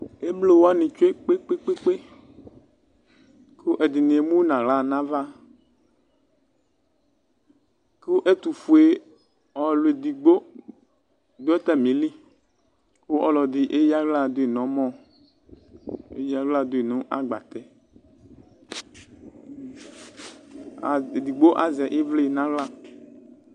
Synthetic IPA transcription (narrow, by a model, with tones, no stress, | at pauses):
e˦blo˦wo˦a˦nĩ˨t͡ʃo˦e˦k͡pe˦k͡pe˦k͡pe˦k͡pe˦ | ko˦ʔe˨d̪i˨nĩ˨e˨mũ˦wnã˨la˨nã˦va˦ | ku˦ʔe˦t̪u˨fu˨e˦ | ɔ˨lo˨e˨d̪i˨ɡ͡bo˦ | d̪o˦ɛ˦t̪a˦mĩ˨˦li˦ | ko˦ʔɔ˨lɔ˨d̪ɪ˨ʔe˦ji˦a˦ɣla˦˨d̪o˦e˨nɔ̃˨˦mɔ̃˦ | ḛ˦ja˦ɡ͡bla˦d̪o˦e˨nũ˦ʔa̰˦ɡ͡ba̰˨t̪ɛ˦˨ | d̪i˨ɡ͡bo˦ʔa˨zɛ˨ʔi˦vle˦nã˨˦ɣla˦